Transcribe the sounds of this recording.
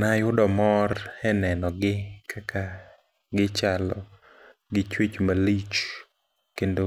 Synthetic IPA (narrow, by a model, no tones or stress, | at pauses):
najʊdɔmɔrɛnɛnɔɡɪkʰaka | ɡɪt͡ʃalɔ̰ | ɡɪt͡ʃwet͡ʃmalit͡ʃ | kendo